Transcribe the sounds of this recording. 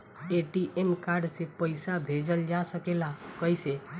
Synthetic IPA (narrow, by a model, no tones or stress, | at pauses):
eʈiʔemkaɾɖsepəɪsabʱed͡ʒəld͡ʒasəkelakəise